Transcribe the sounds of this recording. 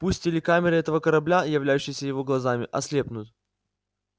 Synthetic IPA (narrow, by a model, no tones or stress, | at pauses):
pusʲtʲɪlʲɪkamʲɪɾɨɛt̪əvəkəɾɐblʲajɪvlʲæjʉɕːɪjsʲəjɪvo̞ɡlˠɐzamʲɪʔɐslʲepnʊt̪